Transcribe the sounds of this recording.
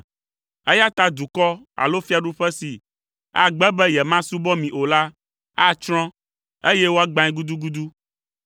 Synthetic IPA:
ɛ˦ja˦t̪a˦d̪u˨kɔ˦ | a̰˨lo˦fi˦a˨ɖu˦ɸɛ˦si˨ | a̰˨ɡ͡bɛ˦bɛ˦jɛ˨mã˦su˦bɔ˦mĩ˨ʔo˨la˦ | a˦t͡ʃɾ̃ɔ̃˦ | e˦jɛ˦wo˦a˦ɡ͡bã˦ɛ̃˦ɡu˦d̪u˦ɡu˦d̪u˦

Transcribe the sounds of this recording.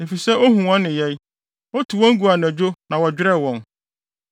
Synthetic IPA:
e˨fi˨sɛ˦ʔo˦ɦũ˨wã˦nːɪ̃˨jɛ˦j | ɔ˦tʰu˨wɔ̃˦ŋ̩˦ɡu˨a˨ñ˨æ˨d͡ʑᶣo˦nã˨wɔ˨d͡ʑᶣɪ˦ɾɛ˦˨wɔ̃˨n

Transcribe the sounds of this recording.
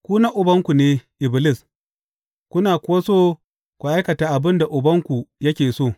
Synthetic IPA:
kʷuː˦na˦ʔʊ˨bɐ˦ŋkʷu˨neː˦ʔɪ˨bɪ˨lɪ˦s | kʷʊ˦naː˨kʷʊ˦wa˦soː˦ | kʷu˨ʔa˦jkɐ˨taː˨ʔa˨bɪ˦nda˨ʔʊ˨bɐ˦ŋkʷu˨jɐ˦kʲeː˨soː˦˨

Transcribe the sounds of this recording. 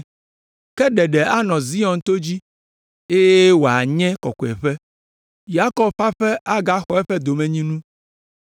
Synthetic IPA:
kɛ˦ɖɛ˨ɖɛ˨a˦nɔ̃˨zi˦ɔ̃˨n˨t̪o˦d͡ʑi˦ | e˦je˦wo˨a˨ɲɛ̃˦kɔ̰˨kɔ˨ɛ˨ɸɛ˦ | ja˦kɔ˦b̚ɸa˦ɸɛ˦a˦ɡa˦xɔ˦ɛ˦ɸɛ˦d̪o˨mɛ̃˨ɲĩ˦nũ˦

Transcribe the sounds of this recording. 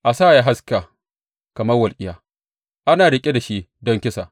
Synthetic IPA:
ʔa˨saː˦˨ja˦ɦa˦ska˨ | kɐ˨mɐ˦rwɐ˨lkʲʼɪ˦jaː˨ | ʔa˦naː˨ɽɪ˨kʲʼe˦da˨ʃi˦dɔ˦ŋkʲɪ˦sa˨

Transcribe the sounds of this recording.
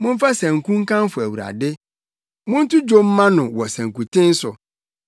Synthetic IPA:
mʊ̃˦ɱ̩˦fa˦sæ̃˨ŋ̩˨kũ˦ŋ̩˦kã˦mfʊ˨æ˨wu˨ɾa̰˨dɪ˦ | mʊ̃˦n̩˦tʰʊ˦d͡ʑo˦m̩˦mːã˦nʊ̃˨wɔ˨sæ̃˨ŋ˨kũ˨tʰɪ̃˦n̩˦sʊ˨

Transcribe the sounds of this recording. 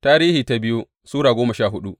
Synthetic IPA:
taː˦ɾiː˦hiː˨ta˦bɪ˦ju˦ | suː˦ɽaː˨ɡʷoː˦mɐ˨ʃaː˦˨ɦʊ˦ɗu˦ʔ

